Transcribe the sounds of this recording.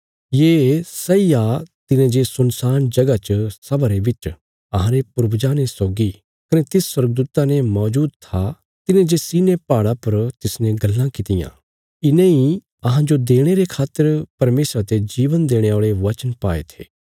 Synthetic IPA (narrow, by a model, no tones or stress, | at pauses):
jeːsɐijat̪ɪnẽd͡ʒesʊnsaːnd͡ʒɐɡat͡ʃəsɐbaɾebɪt͡ʃ | ɐɦãɾepʊɾbd͡ʒaːnesoːɡi | kɐnet̪ɪsːwɐɾɡd̪uːt̪anemɔːd͡ʒuːd̪̚t̪ʰa | t̪ɪnẽd͡ʒesiːnepaːɽapɐɾt̪ɪsnɛ̃ɡɐlːãkɪt̪ɪjã̰ː | ɪnẽi | ɐɦãd͡ʒod̪eːɽ̃eɾekʰaːt̪ːəɾpɐɾmeːsɾat̪ed͡ʒiːʋənd̪eːɽ̃eaːɭeʋɐt͡ʃənpa̰ːḛt̪ʰḛː